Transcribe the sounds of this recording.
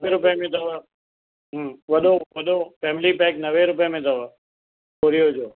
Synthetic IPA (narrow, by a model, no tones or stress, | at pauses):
eɾʊpjəmẽt̪ɐʋa | ɦːʋɐɗoʋɐɗofɛːmɪlipɛːknɐʋeɾʊpjəmẽt̪ɐʋa | oːɾijoɦʊd͡ʒoː